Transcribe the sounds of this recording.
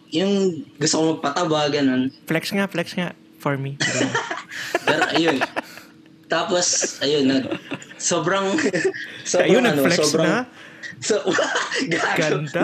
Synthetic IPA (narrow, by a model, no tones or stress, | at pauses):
jʊŋɡʊst̪okomɐɡ̚pɐt̪ɐwaɡɐnonflɛksŋaflɛksŋa | fɔɹmi | pɛːɾoʔɐjon | t̪aːposʔɐjonːɐɡsoːbɾɐŋ | soʔɐjonɐnoflɛsoːbɾɐŋasoɡɐaɡɐd̪a